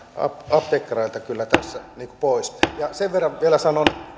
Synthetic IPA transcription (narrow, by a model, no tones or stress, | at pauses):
ɑ̰pɑpt̪ekːrɑilt̪ɑkylːæt̪æsːæniːku̥poˑisjɑseʋʋerːɑʋʋielæsɑnon